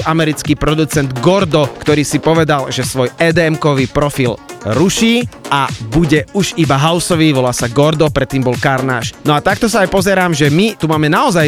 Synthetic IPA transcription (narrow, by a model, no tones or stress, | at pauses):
ʔamɛɾit͡skiːpɾɔd̪ut͡sɛnd̪ɡɔɾd̪ɔkt̪ɔɾiːsipɔʋɛd̪alʒɛsʋɔjɛːd̪ɛmkɔʋiːpɾɔfilɾuʃiːʔabuɟɛuʒibaɦaʊsɔʋiːʋɔlaːsaɡɔɾd̪ɔpɾɛt̪ːiːmbɔlkaɾna̰ːʃnɔat̪akt̪ɔsaajpɔzɛɾaːmʒɛmit̪umaːmɛnaɔzaj